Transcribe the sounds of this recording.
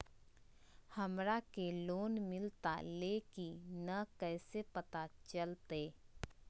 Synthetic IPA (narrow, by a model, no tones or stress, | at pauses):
hɐmɾakeloːnmɪlt̪a̰leːkinakɛːsepɐt̪at͡ʃəlt̪eː